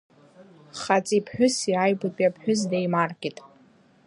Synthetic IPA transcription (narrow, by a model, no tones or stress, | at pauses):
χat͡sʼipʰħᶣʊsiajbapʼjapʰħᶣʊzdejmarɡʲʼitʼ